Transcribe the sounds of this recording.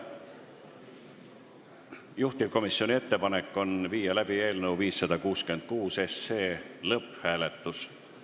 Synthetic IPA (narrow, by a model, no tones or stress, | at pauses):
juht̪ivko̞misjo̞nie̞t̪ːe̞pɑnekːˑo̞nviːjɑlæb̥ie̞ːlnewviːsːɑd̪̥ɑkuːskye̞nd̪̥̚kuːse̞sːeːlɤphæːle̞t̪ːˑus